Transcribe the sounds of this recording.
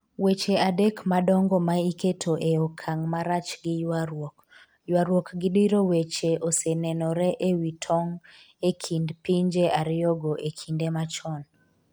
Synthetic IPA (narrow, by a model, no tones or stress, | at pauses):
wet͡ʃeadekmadɔŋɡɔmaiketʰoʔeɔkʰaŋmaɾat͡ʃɡɪjk | jwaɾwokɡɪdiɾowet͡ʃeʔosenɛnɔɾɛʔewitʰɔŋ | ekʰindpiɲd͡ʒeʔaɾɪjɔɡoʔekʰindemat͡ʃɔn